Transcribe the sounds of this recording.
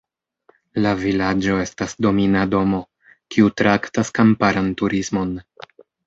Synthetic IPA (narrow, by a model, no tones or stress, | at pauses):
lavilad͡ʒo̞e̞stasdo̞minado̞mo̞ | kʰiutɾaktaskampaɾantuɾismo̞n